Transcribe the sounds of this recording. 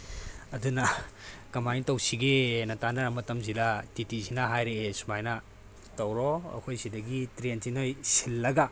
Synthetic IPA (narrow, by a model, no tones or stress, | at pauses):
ɐdunɐkɐmajntɐwsiɡenɐtanɐɾɐmɐtɐmzilatitizinɐɦajɾeesumajnɐ | tɐwɾɔɐ̰kʰojsidɐɡitɾentinojsilːɐɡɐ